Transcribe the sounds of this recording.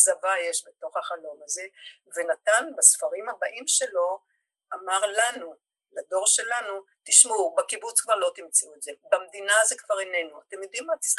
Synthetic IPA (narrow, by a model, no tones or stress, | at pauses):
zavaje̞ʃbeto̞χhaχalo̞maze̞ | ve̞nat̪anbasfaʁimhabaʔimʃe̞lo̞ | amaʁlanu | lad̪o̞ʁʃe̞lanu | t̪iʃmubakibut͡skvaʁlo̞t̪imt͡siuetze̞bamd̪inaze̞kv̥aʁene̞nuat̪emjod̪imːat̪i̥